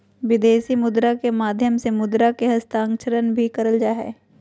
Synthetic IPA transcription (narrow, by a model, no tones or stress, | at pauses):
ʋɪd̪eːsimʊd̪ɾakemaːd̪ʱjəmsemʊd̪ɾakeɦɐst̪ãːŋkt͡ʃəɾənbʱikɐɾəld͡ʒaːɦɛ̰ː